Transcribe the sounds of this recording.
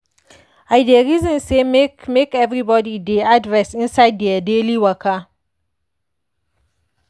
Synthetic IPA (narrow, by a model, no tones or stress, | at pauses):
ʔajdeɾizɔ̃nsemkmekɛvɾibɔdideʔadɹɛsʔɪnsajdːɛadeliwɐka